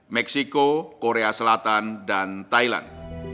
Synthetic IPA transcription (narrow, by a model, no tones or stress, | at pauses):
mɛksikokoɾeasəlat̪andant̪ajla̰nd